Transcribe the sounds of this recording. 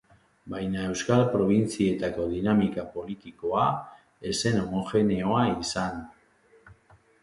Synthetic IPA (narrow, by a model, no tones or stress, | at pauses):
bajnae̞wskalpɾo̞β̞int͡sie̞t̪ako̞ðinamikapo̞lit̪iko̞a | e̞se̞no̞moxe̞neo̞aisan